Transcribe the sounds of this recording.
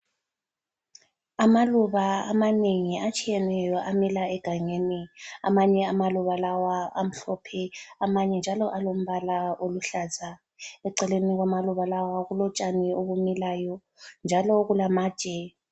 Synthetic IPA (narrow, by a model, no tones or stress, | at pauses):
amaluβaamaneŋiat͡ʃʼijɛnɛjɔʔamilaɛɡ̥ʱaŋenia̰maɲɛamaluβalawaa̰m̩ɬɔpʰɛamaɲɛnd͡ʒʱalɔʔalom̩βalaoluɬaːzʱa | ɛǀɛleniɣwamaluβalawaɣulɔt͡ʃʼanɛoβumilajɔ | nd͡ʒʱalɔɣulamaːd̥ʒ̥ʼʱɛ